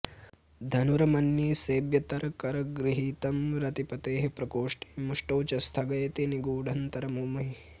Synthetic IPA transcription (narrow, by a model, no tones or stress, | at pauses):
d̪ʱɐnuɾɐmɐnːiːseːbjɐt̪ɐɾɐkɐɾɐɡɾiɦiːt̪ɐmɾɐt̪ipɐt̪eːɦepɾɐkoːʂʈe̥ːmuʂʈɐwt͡ʃɐst̪ʰɐɡɐjɐt̪iniɡuːɖʱɐnt̪ɐɾɐmuːmɐɦi